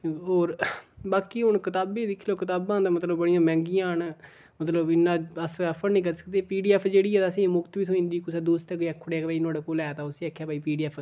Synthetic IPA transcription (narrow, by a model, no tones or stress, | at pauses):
oːɾbaːkiːɦʊɳkɪt̪aːbẽːd̪ɪkʰːloːkɪt̪aːbãːd̪aːmət̪ləbbəɽɪjãːmɛ̃ːŋɡijãːɳ | mət̪ləbɪnːãːəspʰːəɾnĩːkəɾsə̥k̚d̪eːpiːɖiːɛːpʰd͡ʒeːɽiːɦɛːd̪ːsĩːmʊkt̪ʋiːt̪ʰoĩːnd̪iːkʊsɛːd̪oːst̪ɛkːɛːkʰːʊɽeaːkːpaːiːnaːɽeːkoːlɛːt̪ãːʊsiːɛːkʰːjaːpaːiːpiːɖiːɛːpʰ